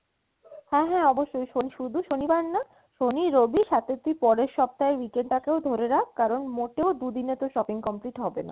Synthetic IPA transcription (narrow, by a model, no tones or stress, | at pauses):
hɛ̃ɦɛ̃ɔboʃːojʃoniʃud̪ʱuʃonibaɾna | ʃoniɾobiʃat̪et̪ːuipɔɾeɾʃɔp̚t̪aeɾwikeɳɖʈakeod̪ʱoɾeɾakʰkːaɾonmoʈeod̪ud̪inet̪oʃɔpiŋkɔmpliʈɦɔbena̰